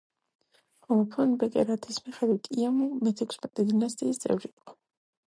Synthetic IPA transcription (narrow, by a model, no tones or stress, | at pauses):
ɔlˠapʰɔnbɛkʼɛɾat̪ʰismiχɛd̪wit̪ʼiamumɛt̪ʰɛkʷʰsmɛt̪ʼɛd̪inast̪ʼiːst̪sʼɛ̰vɾiːqʼɔ̥